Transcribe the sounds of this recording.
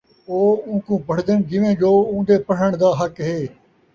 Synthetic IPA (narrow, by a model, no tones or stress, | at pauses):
oːũːkũːpəɽd̪ənɡɪʋẽːd͡ʒoːũːd̪eːpəɽ̤əɳd̪aːɦəkɦeː